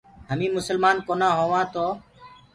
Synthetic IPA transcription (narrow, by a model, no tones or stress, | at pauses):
ɦəmĩːmʊsəlmaːnkoːnãːɦõːʋãːt̪oː